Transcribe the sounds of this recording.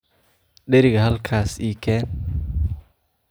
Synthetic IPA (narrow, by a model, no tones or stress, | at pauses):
ɗeɾiɡhalkʰasikɛ